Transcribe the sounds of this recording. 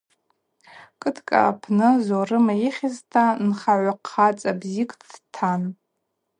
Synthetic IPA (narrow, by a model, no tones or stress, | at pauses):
kʼɨtʰkʼa̰pʰnɨzorɨmaiχʲɪztʰanχaʕʷaqʰːat͡sʼabzikʼʰdtʰan